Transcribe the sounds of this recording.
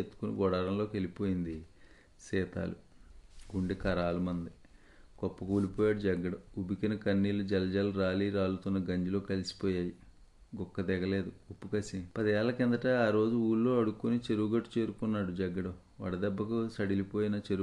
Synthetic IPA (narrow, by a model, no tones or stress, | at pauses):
et̪ːu̥kunḭɡɔɽaːɾɐmlo̞ːkelipo̞ːjind̪i | sɛːt̪a̰ːluɡuɳɖikɐɾaːlumɐnd̪i | kɔpːɐkuːlipoːjaːɽud͡ʒɐɡːɐɽɐubikinɐkɐnːiːlud͡ʒɐlɐd͡ʒaːluɾaːliːɾaːlut̪unːɐɡɐɲd͡ʒilo̞ːkɐlisi̥pɔːjaːji | ɡɔkːɐd̪ɛɡɐle̞ːd̪uupːukɐsipɐd̪ɐjaːlɐkɛnd̪ɐʈaːaːɾo̞ːd͡ʒuuːlːo̞ːɐɽukːunit͡ʃe̞ɾuːɡɐʈːu̥t͡ʃe̞ːɾukunːaːɽud͡ʒɐɡːɐɽɐ | ʋɐ̰ɽɐd̪ɛbːɐkusɐɽilipo̞ːjinɐt͡ʃeɾu